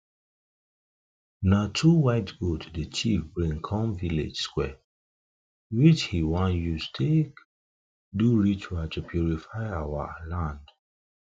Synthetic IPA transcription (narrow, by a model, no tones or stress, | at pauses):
natʰuwaɪtɡotʰdət͡ʃifbɹĩŋkʰɔ̃mvilḛd͡ʒskwɛ | wit͡ʃhiwãnjustʰek | duɹitʰuatupʰjuɹifaɪawa̰lãnd̥